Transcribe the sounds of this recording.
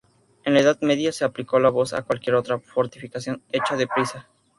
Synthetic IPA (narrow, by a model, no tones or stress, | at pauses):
enlaeðaðme̞ðjase̞apliko̞laβo̞sa̰kwalkje̞ɾo̞t̪ɾafo̞ɾt̪ifikasjo̞ne̞t͡ʃaðe̞pɾisa